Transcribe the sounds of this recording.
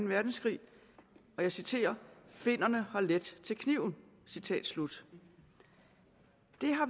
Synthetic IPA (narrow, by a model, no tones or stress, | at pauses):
n̩ʋæɐd̥n̩sɡ̥ʁḭː | ɒ̽jɑ̈ɪsit͡sʰe̝̰ːɐfe̝n̰ɐnəhɑ̈led̥t͡sʰe̝lkʰniʊ̰n̩ | sit͡sʰɛ̰ːd̥slud̥ | d̥e̝ɦɑ̈